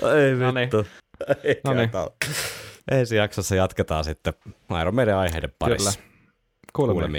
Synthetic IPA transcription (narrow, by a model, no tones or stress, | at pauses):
eiʋint̪ːoennit̪ɑ̰l | ʔẽnsijɑksɑsːɑjɑt̪ket̪ɑːsit̪ːeɑˑiɾɑmeˑileɑiheileppɑ̰ḭsː | kuːlelḛmi